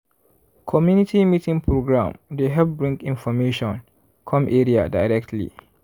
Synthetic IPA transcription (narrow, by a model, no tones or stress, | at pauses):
kʰɔmjunitimitĩŋpʰɹoɡɹã̰mdeɦɛbɹĩŋkĩnfɔmeʃɔ̃n | kʰɔ̃mʔeɹia̰dajɹɛk̚tʰlḭ